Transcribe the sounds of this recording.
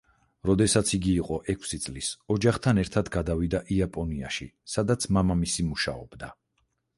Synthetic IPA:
ɾɔd̪ɛsat̪sʰiɡiːqʼɔʔɛkʷʰsit̪sʼlisɔd͡ʒaχt̪ʰanɛɾt̪ʰad̪ɡad̪avid̪aʔiapʼɔnia̰ʃisad̪at̪sʰmamamisimuʃa̰ɔ̰bd̪a

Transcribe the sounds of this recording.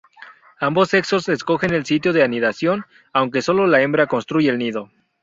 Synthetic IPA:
ambo̞se̞kso̞sesko̞xe̞ne̞lsit̪jo̞ðe̞aniðasjo̞n | awŋk̬e̞so̞lo̞lae̞mbɾako̞nst̪ɾuʝeːlniðo̞

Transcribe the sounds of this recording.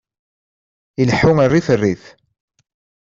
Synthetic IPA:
ilħʊŋərːiθərːiθ

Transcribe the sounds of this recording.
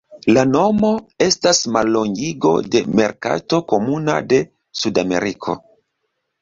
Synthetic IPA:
lano̞mo̞e̞stasmalːo̞ŋɡiɡo̞̰de̞me̞ɾka̰to̞ko̞muna̰de̞ | sudame̞̰ɾikʰo̞̰

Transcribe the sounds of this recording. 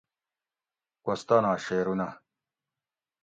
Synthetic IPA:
kɐst̪anaːɕeːɾuna

